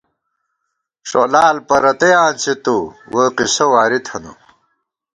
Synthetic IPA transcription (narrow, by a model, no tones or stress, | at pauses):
ʂo̰laːlpɐɾɐt̪ɐjaːnsʰit̪uwɐqisɐwaːɾit̪ʰɐnṵ